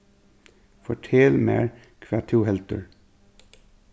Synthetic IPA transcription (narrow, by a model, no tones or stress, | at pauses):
fɔʈʰeːlmḛːɹ | kʰʋæːt̪ʰuːhɛlt̪ə̰ɹ